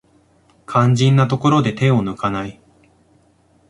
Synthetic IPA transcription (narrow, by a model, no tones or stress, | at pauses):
kʰãɲ̟d͡ʑĩnːat̪o̞ko̞ɾo̞d̪e̞t̪e̞o̞nɯ̟kanai